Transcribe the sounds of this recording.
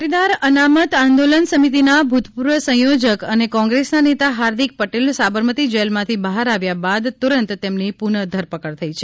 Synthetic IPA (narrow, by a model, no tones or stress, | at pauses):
ʈid̪aɾənamət̪ãnd̪olənsəmit̪̬inabʱut̪puɾʋəsə̃jod͡ʒəkənekɔ̃ŋɡɾesnanet̪aɦaɾd̪ik̚pəʈelsabəɾmət̪id͡ʒelmãt̪ʰibəɦaɾaʋjabad̪t̪uɾənt̪t̪emnipuɳəd̪ʱəɾpəkəɾt̪ʰəit͡ʃʰe